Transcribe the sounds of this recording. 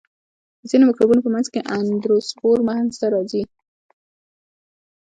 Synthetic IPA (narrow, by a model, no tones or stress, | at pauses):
d̪əzinomɪkɾubunopəmanzkeʔand̪ɾospoɾmaχnst̪aɾɑzi